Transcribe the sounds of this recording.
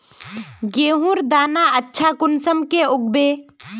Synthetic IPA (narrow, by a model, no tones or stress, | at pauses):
ɡeːɦũɾd̪aːnaətːʃʰakʊnsəmkeʊɡ̚beː